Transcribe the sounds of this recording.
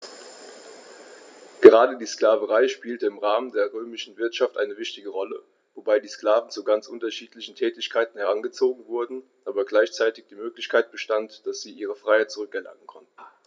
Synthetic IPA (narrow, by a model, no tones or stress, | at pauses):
ɡ̥əʁaːdədiːsklaːvəʁaɪʃpiːltəɪmʁaːməndeːɐʁøːmɪʃn̩vɪɐtʃaftʔa̰ɪnəvɪçtɪɡəʁɔlə | vobaɪdiːskl̥aːvn̩t͡suɡant͡sʔʊntɐʃiːtlɪçn̩tʰɛːtɪçkʰaɪtn̩hɛʁanɡət͡soːɡŋ̩vʊɐdn̩ʔaːbɐɡlaɪçt͡saɪtɪç̚d̥iːmøːklɪçkʰaɪt̚b̥əʃtantd̥asz̥iːʔiːʁəfʁ̥aɪhaɪt̚t͡sʊʁʏkɛɐlʔa̰ŋən̩kʰɔntn̩